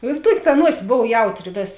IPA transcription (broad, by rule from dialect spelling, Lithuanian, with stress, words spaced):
ɪr ˈtuɔkʲ tɐ ˈnuɔsʲɪs ˈboːw ˈjɛʊtʲˌrʲɪ ˈʋʲeːs